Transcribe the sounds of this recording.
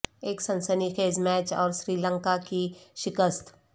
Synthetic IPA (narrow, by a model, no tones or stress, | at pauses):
eːksɐ̃nsənixeːzmɛːt͡ʃɔːɾsɾiːlə̃ŋkakiʃɪkəst̪